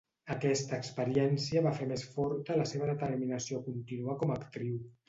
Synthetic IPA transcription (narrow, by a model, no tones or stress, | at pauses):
əkɛst̪əːkspəɾiɛnsiəβafemesfɔɾt̪ələseβ̞əðət̪əɾminəsiokunt̪inuəkɔməkt̪ɾiw